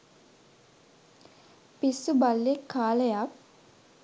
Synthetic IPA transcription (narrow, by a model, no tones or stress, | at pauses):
pisːubalːekʰːaːləjak̚